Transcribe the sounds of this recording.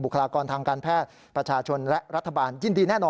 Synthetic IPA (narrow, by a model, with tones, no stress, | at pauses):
bu˨˩kʰə˧laː˧kɔː˧nt̪ʰaː˧ŋkaː˧npʰɛː˥˩t̪̚ | pɾa˧t͡ɕʰaː˧t͡ɕʰo˧nlɛ˦˥ɾa˦˥t̪ʰːa˧baː˧njiː˧˩ndiː˧nɛː˥˩nɔː˧